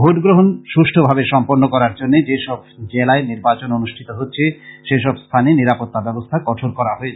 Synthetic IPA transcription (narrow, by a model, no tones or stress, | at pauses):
bʱoʈɡɾoɦonʃuʃʈʰobʱabeʃɔmpoɾnokɔɾaɾd͡ʑonːed͡ʑeʃɔb̚d͡ʑelaeniɾbat͡ɕononuʃʈʰit̪oɦotːɕʰeʃeʃɔbst̪ʰanieniɾapot̪ːabɛbost̪ʰakɔʈʰoɾkɔɾaɦoe